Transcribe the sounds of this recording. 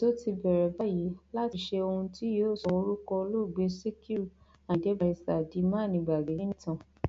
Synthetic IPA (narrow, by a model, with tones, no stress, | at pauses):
to˦ti˧bɛ˨ɾɛ˨ba˦ji˨˦la˦ti˨˧ʃe˧o˧hũ˧ti˦joː˦sɔ˧o˧˦ɾu˦kɔ˧o˧lo˦˨ɡ͡be˧˦si˦ki˦u˦˨ | a˨dɛ˨˦ba˧˨i˨sa˨di˨˦mã˦˨nĩ˧˨ɡ͡ba˨ɡe˨˦nĩ˦tã˧˨